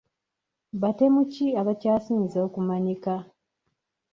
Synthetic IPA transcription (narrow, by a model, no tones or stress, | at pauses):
βate̞muciaβacaːsiːnzeokumaɲika